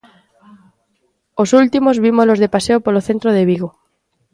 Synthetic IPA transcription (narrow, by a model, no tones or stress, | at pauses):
osult̪imozβimolozðepaseopoloθent̪ɾoðeβiɣo